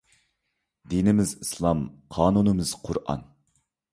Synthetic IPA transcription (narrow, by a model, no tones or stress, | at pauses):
d̪inɪmɪzɨslˠɑmqʰɑːnunɨmɨz̥qʰʊɾʔɑ̰n